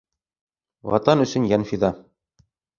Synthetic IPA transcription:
wɑ̰t̪ɑnɵ̆sɵnjænfiðɑ

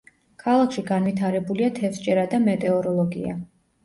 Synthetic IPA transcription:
kʰalˠakʰʃiɡanvit̪ʰaɾɛbuliat̪ʰɛfsd͡ʒʼɛɾad̪amɛt̪ʼɛɔɾɔlˠɔɡḭa̰

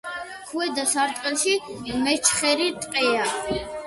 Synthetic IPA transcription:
kʰuɛd̪asaɾt̪ʼqʼɛlˠʃimɛt͡ʃʰχɛɾit̪ʼqʼɛa

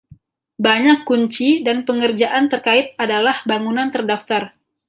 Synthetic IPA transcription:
baɲakːuɲt͡ʃidanpəŋərd͡ʒaʔant̪ərkaɪt̪̚adalahbaŋunant̪ərdaft̪ar

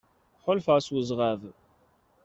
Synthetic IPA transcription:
ħʊlfʕswəzˤʁav

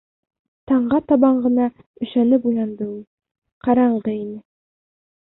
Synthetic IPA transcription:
t̪ɑɴɢɑt̪ɒβɑɴɢɤ̆nɑ | ɵ̆ʃænɘpujlˠɑnd̪ɤulˠ | qɑɾɑɴɢɤinɘ

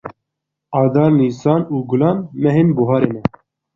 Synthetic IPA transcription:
ɑːd̪ɑːɾniːsɑːnuːɡʊlɑːnmɛɦenbuɦɑːɾeːnɛ

